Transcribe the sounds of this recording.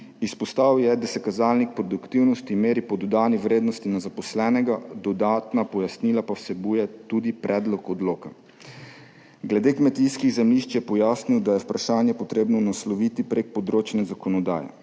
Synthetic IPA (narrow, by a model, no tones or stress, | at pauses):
ispɔst̪awjɛd̪asɛkazaːlnik̚pɾɔd̪ukt̪iwnɔst̪imeːɾipɔd̪ɔd̪aːniwɾeːd̪nɔst̪inazapɔslɛːnɛɡad̪ɔd̪aːt̪napɔjasniːlapawsɛbuːjɛt̪ud̪ipɾʔɛːd̪lɔkɔd̪loːka | ɡlɛd̪eːkmɛt̪ijskiɣzɛmliʃt͡ʃjɛpɔjaːsniwd̪ajɛwpɾaʃaːnjɛpɔt̪ɾeːbnɔnaslɔʋit̪ipɾek̚pɔd̪ɾot͡ʃnɛzakɔnɔd̪a̰ːjɛ̰